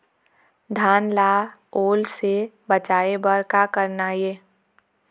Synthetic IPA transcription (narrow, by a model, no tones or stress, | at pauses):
d̪ʱaːnlaːoːlse | bət͡ʃaːebəɾkakəɾnajeː